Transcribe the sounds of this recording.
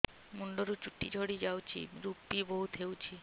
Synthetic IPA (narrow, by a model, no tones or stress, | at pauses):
muɳɖoɾut͡ɕuʈːid͡ʑʱoɽid͡ʑawt͡ɕʰḭɾupːiboɦut̪ɦewt͡ɕʰi